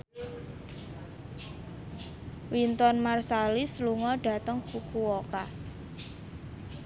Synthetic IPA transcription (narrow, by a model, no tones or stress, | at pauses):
wint̪ɔnmarsalisluŋɔɖ̥a̤t̪əŋkukuwoka